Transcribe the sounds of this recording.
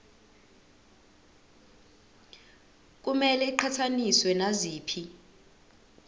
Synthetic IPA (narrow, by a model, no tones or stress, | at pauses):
k̬ʼumɛlɛiǃʰatʰaniswɛnaziːpʰi